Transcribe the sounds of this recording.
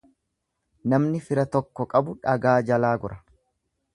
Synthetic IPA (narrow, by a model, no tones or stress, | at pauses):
nɐmnɪfɪɾɐt̪ɔkːɔkʼɐbʊᶑɐɡaːd͡ʒɐlaːɡʊɾʔɐ